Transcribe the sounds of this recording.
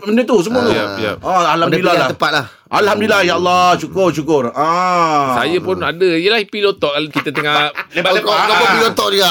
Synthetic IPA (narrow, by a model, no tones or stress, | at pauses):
məndet̪us̬əmuat̪ua̰ja̰ãalhamdilalat̪əpat̪̚lah | ʔalhamdilahjaalːɔʃukʊrʃukʊrãsa̰japʊnadəjəlahipilot̪ɔʔkalkit̪ət̪əŋaʔbakakpilot̪ɔʔdia